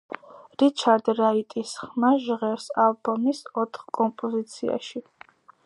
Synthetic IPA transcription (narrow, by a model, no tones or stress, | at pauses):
ɾit͡ʃʰaɾd̪ɾait̪ʼisχχmaʒʁɛɾsalˠbɔmisɔt̪ʰχkʼɔmpʼɔzit̪sʰḭa̰ʃi